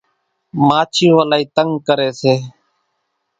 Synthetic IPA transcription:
maːt͡ʃʰĩːʋəlaːiːt̪əŋɡkəɾeːseː

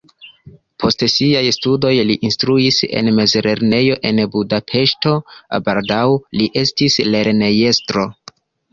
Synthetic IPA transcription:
pʰo̞stsiajstudo̞jliʔinstɾuise̞̰nme̞zɾe̞ɾne̞jo̞ʔe̞nbudapʰe̞ʃto̞baldawliʔe̞stisle̞ɾne̞je̞stɾo̞

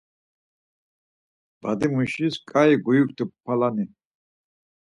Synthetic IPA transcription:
b̥ad̪imuʃiskʼaiɡujukt̪ʰəpʰːalani

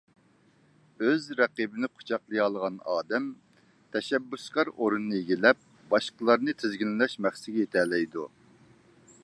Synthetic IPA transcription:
øzɾɛqibɪnɪqʰʊ̥t͡ʃʰɑqlˠɨjɑlˠəʁɑnɑːd̪ɛm | t̪ʰɛʃɛbːyskɑɾoɾunɨːɨjeɡʲilɛp̚ | bɑʃqəlˠɑɾnɨt̪ʰɪzɡʲilɪlɛʃmɛχsɪɡʲɛjet̪ʰɛlɛjd̪u

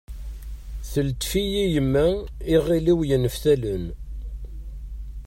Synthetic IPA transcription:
θəlt̪ːfijijəmːæɪʁiliwjənəfθælən

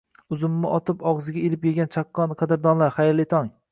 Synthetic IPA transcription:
ʊzʊmːɪʔɒt̪ʰɪpɒʁzɪɡʲaelɪpjeɡʲant͡ʃʰakːɒnqʰɑd̪ɪɾd̪ɒnlaɾχajɾlɪt̪ʰɒŋ

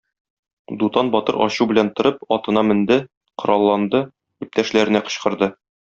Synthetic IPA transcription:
d̪ut̪ɑnbɒt̪ɤɾɒ̰ɕubɘ̆lænt̪ŏɾɤpɒt̪ɤ̆nɑmɘ̆nd̪ɘ | qŏɾɑlˠːɑnd̪ɤ | bip̚t̪æʃlæɾɘ̆næqɤ̆ɕqɤ̆ɾd̪ɤ

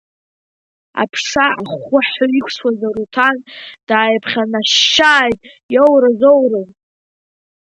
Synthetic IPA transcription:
a̰pʰʂaaχʷʊħʊikʷʰswazaɾutʰand̥aːjpʰχʲanaʃaːjtʼ | jowɾazowrɨw

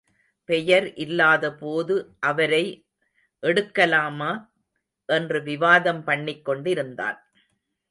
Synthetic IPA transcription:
pɛjɐɾʔɪlːaːðɐpoːðɯʔɐʋɐɾɐɪ | ʔɛɽɯkːɐlaːmaː | ʔɛndrɯʋɪʋaːðɐmpɐɳːɪkːɔɳɖɪɾɯnd̪a̰ːn

